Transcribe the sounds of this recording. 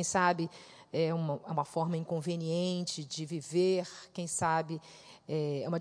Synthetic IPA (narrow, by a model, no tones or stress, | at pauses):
j̃sabɪ | ɛũmɐɛũmɐfɔɾmɐĩŋkõveniẽnt͡ʃɪd͡ʒɪviveɾkẽj̃sabɪ | ɛɛ̰ũmɐ